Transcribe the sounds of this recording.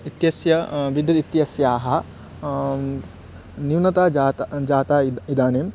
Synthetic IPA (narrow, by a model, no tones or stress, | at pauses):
it̪jɐsjɐʋid̪ʱjɐd̪it̪jɐsjaːɦɐ̆ | niwnɐt̪aːd͡ʒaːt̪d͡ʒaːt̪aːid̪aːneːm